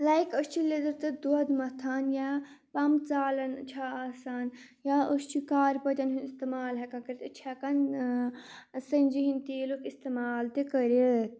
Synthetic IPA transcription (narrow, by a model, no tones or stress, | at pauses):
laikəst͡ʃʰiled̪ɐɾt̪ɐd̪uɐd̪mɐt̪ʰaːnja | pɐmt͡saːlɐnt͡ʃʰaaːsaːn | jaəst͡ʃʰikaːɾpɐd͡ʒ̪ɐnɦunist̪emaːlɦɛkãkɐɾit̪ɐt͡ʃʰakɐn | sɐnʲd͡ʒiɦint̪eːlukist̪emaːlt̪ekəɾilət̪̚